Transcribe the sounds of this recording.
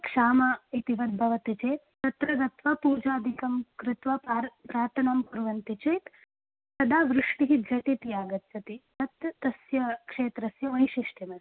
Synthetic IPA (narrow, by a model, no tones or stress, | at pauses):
kʂaːmɐit̪iʋɐd̪̚bʱɐʋɐt̪it͡ʃeːt̪t̪ɐt̪ɾɐd̪ɐt̪ʋɐpuːd͡ʒaːd̪ʱikɐmkɾɪt̪ʋɐpaɾpɾaːɾt̪ʰɐnɐmpuɾʋɐnt̪it͡ʃeːt̪ | sɐd̪aːʋɾɪʂʈiɦid̪jɐt̪it̪ijaːɡɐt̪sɐt̪it̪ɐt̪ːɐsjɐkʂeːt̪ɾɐsjɐʋɐjʃiʂʈɐmɐs